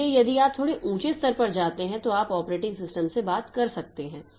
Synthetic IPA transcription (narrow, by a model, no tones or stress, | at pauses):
ejɐd̪iaːp̚t̪ʰoːɽeʔũːt͡ʃest̪ɐɾpɐɾd͡ʒaːt̪eɦɛ̃t̪oaːpɔːpɾeːʈɪ̃ŋɡsɪsʈəmsebaːt̪kɐɾsɐk̚t̪eɦɛ̃ː